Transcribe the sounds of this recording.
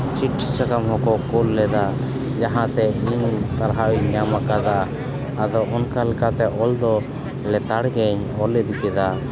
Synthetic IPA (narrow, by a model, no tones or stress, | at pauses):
t͡ʃiʈʰːisakamɦɔ̃kɔkulːɛd̪a | d͡ʒaɦãt̪ɛiɲsaɾɦawiɲamakad̪aː | d̪ɔʔɔnkalkat̪ɛʔɔld̪ɔ | lɛt̪aɽɡɛɲ | ɔlɛd̪kɛd̪a